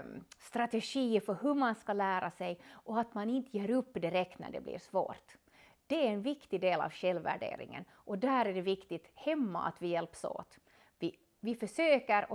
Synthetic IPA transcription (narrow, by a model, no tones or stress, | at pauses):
st̪ɾat̪ɛʂiːfœɾɦɵmanskalæːɾasɛjʔɔat̪manɪnt̪əjeːɾɵpːd̪ɪɾɛkt̪næ̰ɖɛ̰blḭːɾʂvo̰ːɾt̪ | d̪̥ɛæɾɛnvɪkt̪ɪd̪eːlɑ̰vɕɛlvːæ̰ɖḛːɾɪ̰ŋə̰n | ʔɔd̪æːɾæɖɛvɪkt̪ɪt̪hɛmːa̰ʔa̰t̪vɪjɛlpso̰ːt̪ | vɪ | vɪfœʂøːkəɾ